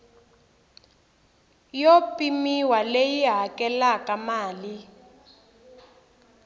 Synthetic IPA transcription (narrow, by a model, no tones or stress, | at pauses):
jopʼimiwalejiɦakɛlakamaːli